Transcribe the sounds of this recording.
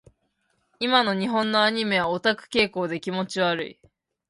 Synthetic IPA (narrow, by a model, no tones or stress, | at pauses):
imano̞ɲ̟iɦõ̞nːo̞aɲ̟ime̞βaot̪akɯ̟̥ke̞ːko̞ːd̪e̞kʲimo̞t͡ɕiβaɾɯ̟̰ḭ